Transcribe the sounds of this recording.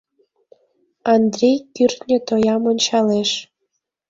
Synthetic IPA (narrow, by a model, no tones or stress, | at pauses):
ɑnd̪rʲejkyrt̪nʲet̪ojɑmonʲt͡ɕɑleʃ